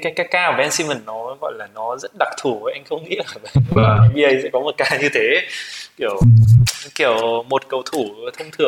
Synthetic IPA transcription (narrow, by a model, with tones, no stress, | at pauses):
kaː˨˦jkaː˨˦jkaː˧˨˩vɛ˧nsi˧mə˨˩nːɔ˨˦ɔ˨˦ɣɔ̰˧˨jlaː˨˩nɔ˨˦zə˦˥t̚ɗa˨˩k̚t̪ʰu˧˩ə˨˦ʔa˧jŋ̟xə˧wŋ͡mŋḭ˧˥ə˨˩və̰˧˨vaː˨˩ʔa˧jvi˧ʔə˧jsɛ̰˧˥kɔ˨˦mo˨˩t̚kaː˧ɲɨ˧t̪ʰe˨˦ki˧˩əw | ki˧˩əwmo˨˩t̚kə˨˩wt̪ʰu˧˩˨t̪ʰə˧wŋ͡mt̪ʰɨ˨˩əŋ